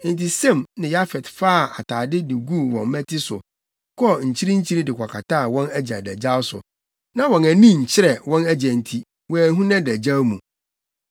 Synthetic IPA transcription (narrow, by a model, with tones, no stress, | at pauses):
n̩˨ti˨sɛ̃˦˨mnɪ̃˨ja˦fɛ˨tfaː˦˨a˨tʰaː˨dɪ˦dɪ˨ɡu˦˨wɔ̃˨m˦mɛ̃˦tʰɪ˦sʊ̰˨ | kʰɔ˦ɲ̩˨t͡ɕʰi˦ɾĩ˦ɲ̩˦t͡ɕʰi˦ɾi˦dɪ˨kʷa˨kʰa˨tʰaː˦˨wɔ̃˦næ˦d͡ʑã̰˨dæ˨d͡ʑa˦wsʊ̰˨ | nã˦wɔ̃˨næ˨nĩ˦ɲ̩˨t͡ɕʰɪ˦ɾɛ˨wɔ̃˦næ˦d͡ʑæ̃˨n̩˨tʰi˦ | wɔ̃˨æ˨˦ɦũ˦nã˦dæ˨d͡ʑa˦wmũ˨